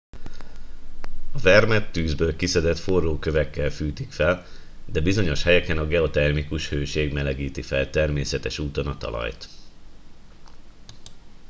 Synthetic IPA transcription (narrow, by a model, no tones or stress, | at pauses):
ɒvɛrmɛt̪ːyːzbøːlkisɛd̪ɛt̪forːoːkø̞vɛkːɛlfyːt̪ikfɛl | d̪ɛbizo̞ɲo̞ʃhɛjɛkɛnɒɡɛo̞t̪ɛrmikuʃhøːʃeːɡmɛlɛɡiːt̪ifɛlt̪ɛrmeːsɛt̪ɛʃuːt̪o̞nɒt̪ɒ̰lɒ̰jt̪